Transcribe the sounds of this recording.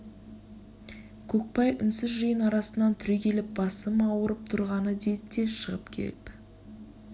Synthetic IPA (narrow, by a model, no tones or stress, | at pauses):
kʲʰɵk̚pɑjʏnsɪzʒəjənɑɾɑsənːɑnt̪ʰʏɾekʲʰe̞lɪp̚bɑsəmɑwəɾəp̚t̪ʰʊɾʁɑnəd̪e̞d̪ɪd̪e̞ʃəʁəpkʲʰḛlɪp